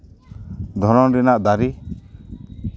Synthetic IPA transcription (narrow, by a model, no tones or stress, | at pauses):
d̪ʱɔɾɔɾinaʔd̪aɾi